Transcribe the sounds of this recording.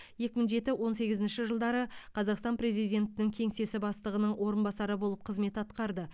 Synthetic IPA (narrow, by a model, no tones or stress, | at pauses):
je̞kʲɪmɪŋʒe̞t̪ɪwo̞nse̞ɡʲɪzɪnʃɪʒəlˠd̪ɑɾəqʰɑzɑqst̪ɑnpɾe̞zijd̪ʲe̞nt̪ɪnɪŋkʲʰe̞ŋse̞sɪbɑst̪əʁənəɴwʔo̞ɾənbɑsɑɾəbo̞lˠəp̚qʰəzme̞t̪ɑt̪qɑɾd̪ə